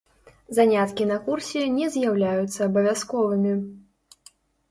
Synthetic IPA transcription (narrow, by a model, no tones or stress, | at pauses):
zanʲat̪kʲinɐkursʲɛnʲɛzʲjawlʲajut̪sːɐːbɐvʲaskɔvɨmʲi